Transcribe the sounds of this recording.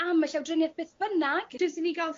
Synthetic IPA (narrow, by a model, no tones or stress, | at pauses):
amːəɬawdrɪnjɛðb̥eːθb̥ənaɡ̥ɪsiniɡalˠθ